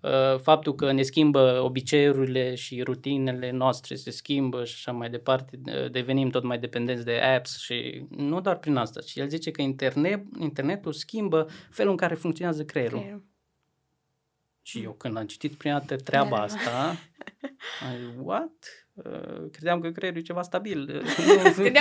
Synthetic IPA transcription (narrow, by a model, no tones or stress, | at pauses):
əfap̚t̪ulkəne̞skʲimbəo̞bit͡ʃe̞ɾuɾile̞ʃiɾut̪ine̞le̞noast̪ɾe̞̰se̞skʲimbəʃiḁʃamajd̪e̞part̪e̞ə̰d̪e̞ve̞nimt̪o̞t̪majd̪e̞pe̞nd̪ent̪sd̪e̞ʔæpsʃḭnud̪oarpɾinast̪at͡ʃije̞lzit͡ʃe̞kəint̪erneint̪e̞rne̞t̪uskʲimbəfe̞luɨŋkaɾe̞fuŋkt̪sioneazəkɾeɾu | ʃijewkɨnd̪amt͡ʃi̥t̪it̪pɾinalt̪ət̪ɾeabaast̪a | ajwat̪ | ə̰kɾe̞d̪eamkəkɾeɾujet͡ʃe̞vast̪abil